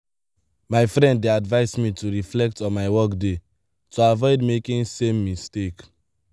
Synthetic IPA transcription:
maɪfɾɛ̃nddeadvaɪsmituɹiflɛk̚tɔ̃nmaɪwɔkde | tuavɔɪdmekĩnsẽmːistek

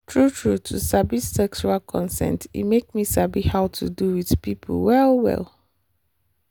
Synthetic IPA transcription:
tʰɹutʰɹutʰusabisːɛk̚t͡ʃualkʰɔ̃nsɛ̰̃ntḭmekmisabihaʊtʰṵduwiðpipʰṵlwɛlwɛ̰l

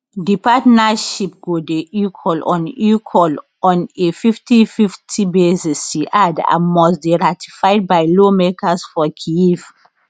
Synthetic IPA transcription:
dipatnaʃip̚ɡodeikʰɔlɔ̰̃nikʰwɔl | ɔ̃nefiftififtʰibezisiʔadã̰mɔsbiɹati̥fajd̚bajlomekasfɔkʰiif

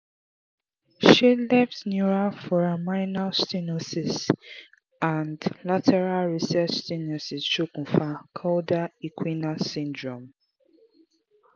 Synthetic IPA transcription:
ʃilɛftniɹafɔɹamaɪnalstinosis | ãndlatʰɛɹalɹisɛt͡ʃstinɔsisʃukũfakʰaʊdaikʰwinasĩndɹɔ̃m

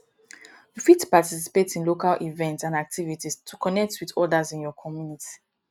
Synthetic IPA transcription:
jufidtu̥patis̬i̥petĩnlokalʔivɛ̃ntsãnak̚tʰivitistʰukʰɔnɛk̚twiðɔdazĩnjɔkʰɔmjunitʰi̥

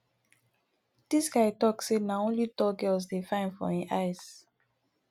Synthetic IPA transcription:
d̥isɡaɪtɔksenaõnlitɔɡɜls̬defãɪ̃nfɔ̰ĩʔaɪs

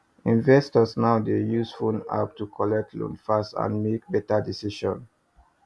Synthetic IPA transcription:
ĩnvɛstɔsnaʊdejusfuna̰p̚tukʰɔlɛk̚tʰlṵ̃nfastã̰nmek̚bɛtadisiʃɔ̰̃n

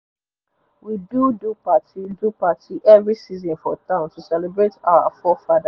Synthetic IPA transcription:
widudupatidupatiʔɛvɹisizɔ̃nfɔtãʊ̃ntusɛlebɹeta̰ʊa̰fɔfada

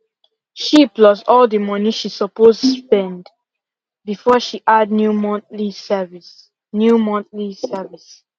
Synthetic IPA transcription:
ʃiplɔsɔldəmɔniʃisɔpostuspɛ̃nd | bifɔʃiʔadnjumɔ̃lisɛvis | njumɔ̃nθlisɛvis

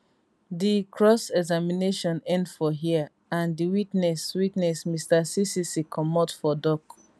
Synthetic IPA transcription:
dikʰɹɔsɛɡzamineʃɔ̃nɛ̃ndfɔɦia | ãndiwitnɛswitnɛsmistasisisikʰɔmɔtfɔdɔk

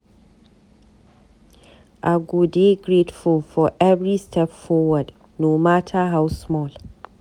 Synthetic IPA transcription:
ʔaɡodeɡɹetfulfɔʔɛvɹistʰɛpfɔwəd | nomatʰaɦawsmɔl

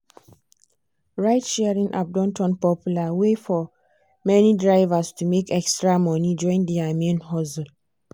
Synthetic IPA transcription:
ɹaɪtʃɛɹĩŋʔa̰p̚dɔ̃ntʰɔ̃npɔpjulawefɔ | mɛnidɹaɪvastumekʰɛkstɹamɔnid͡ʒɔ̃ĩndiamiãnɦɔsl

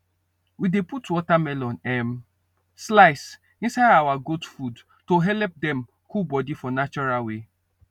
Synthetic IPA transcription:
wideputwɔtamɛlɔ̃nɛm | slaɪs | ĩnsaɪdawaɡotfud | toɦɛlɛp̚dɛ̃m | kubɔdifɔnat͡ʃɔɹalwe

